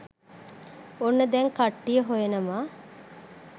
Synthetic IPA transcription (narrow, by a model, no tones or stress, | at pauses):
onːəd̪ɛŋkaʈːijəɦojenəmaː